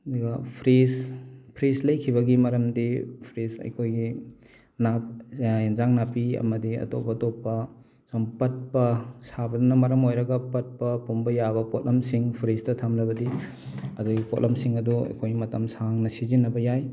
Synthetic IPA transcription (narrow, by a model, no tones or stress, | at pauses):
duɡɐpʰɾizpʰɾizlɐjkʰiβɐɡimɐɾɐmdipʰɾisɐ̰jkʰojɡi | naenzaŋnapiɐ̰mɐdiɐ̰to̰pːɐtopːɐ | sompɐt̚pɐsabɐdunɐmɐɾɐmojɾɐɡɐpɐt̚pɐpumbɐjabɐpot̚lʔɐmsiŋpʰɾistɐtʰamlɐbɐdi | ɐduɡipotlʔɐmsiŋɐduɐ̰jkʰojmɐtɐmsaŋnɐsizinɐbɐjaj